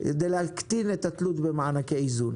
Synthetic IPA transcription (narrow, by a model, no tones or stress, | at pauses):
ked̪ejlehakt̪inet̪at̪lut̪bemaʕanakeizun